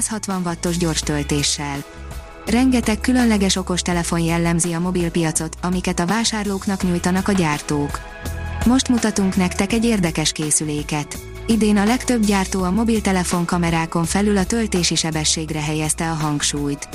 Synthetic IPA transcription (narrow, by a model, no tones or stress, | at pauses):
shɒt̪ʋɒɱvɒt̪ːo̞ʒɟo̞rʃt̪ø̞lt̪eːʃːɛl | rɛŋɡɛt̪ɛkːylø̞nlɛɡɛʃo̞ko̞ʃt̪ɛlɛfo̞njɛlːɛmziɒmo̞bilpijɒt̪so̞t̪ɒmikɛt̪ɒvaːʃaːrloːknɒkɲujt̪ɒnɒkɒɟaːrt̪oːk | mo̞ʃt̪mut̪ɒt̪uŋknɛkt̪ɛkɛɟːeːrd̪ɛkɛʃkeːsyleːkɛt̪ | id̪eːnɒlɛkt̪ø̞bɟaːrt̪oːɒmo̞bilt̪ɛlɛfo̞ŋkɒmɛɾaːko̞ɱfɛlylɒt̪ø̞lt̪eːʃiʃɛbɛʃːeːɡrɛɦɛjɛst̪ɛɒɦɒŋkʃuːjt̪